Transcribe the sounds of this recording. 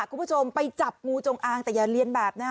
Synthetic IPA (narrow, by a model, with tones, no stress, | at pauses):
kʰu˧˨bt͡ɕʰo˧mpa˧jt͡ɕa˨˩p̚ŋuː˧t͡ɕo˧ŋʔaː˧ŋt̪ɛː˨˩jaː˨˩li˧ənbɛː˨˩p̚naː˥˩